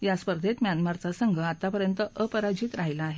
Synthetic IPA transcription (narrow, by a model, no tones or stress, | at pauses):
jaspəɾd̪ʱet̪mʲjanmaɾt͡sasəŋɡʱəat̪apəɾjənt̪əʔəpəɾad͡ʑiːt̪ɾaɦjlaːɦe